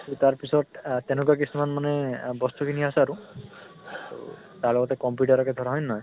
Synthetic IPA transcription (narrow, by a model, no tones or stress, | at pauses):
tutaɹpisɔttːɛnuk̬ak̬isumanmanɛbɔstukʰiniasɛaɹu | ṵ | taɹlɔɡɔtɛkɔmpjuʈaɹɔkɛdʱɔɹaɦɔjnɔj